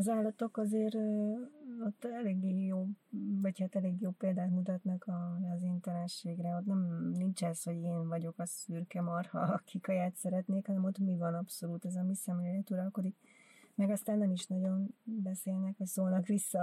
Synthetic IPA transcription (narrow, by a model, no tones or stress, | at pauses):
ɒzaːlːɒt̪o̞kɒzeːɾøːot̪ːɛleːɡːeːjoːvɒchaːt̪ɛleːɡjoːpːeːld̪aːt̪mut̪ɒt̪nɒkɒzeːnt̪ɛlɛʃeːɡrɛot̪nɛmnint͡ʃɛsho̞ɟeːnvɒɟo̞kɒsyrkɛmɒrhɒkʰikɒjaːt̪sɛɾɛt̪neːkhɒnɛmo̞t̪mivɒnɒpso̞luːt̪ɛzɒmisɑmellɛt̪uɾɒlko̞d̪ik | mɛɡɒst̪aːnːɛmiʃnɒɟo̞nbɛseːlnɛkhocsoːlnɒkʋisːɒ